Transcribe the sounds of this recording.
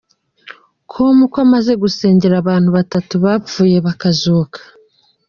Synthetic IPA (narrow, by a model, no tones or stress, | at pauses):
kʰomukamaze̞ɡuse̞ːɲɟeɾaːβaːn̥huβatatuβafuːje̞βakazoːkḁ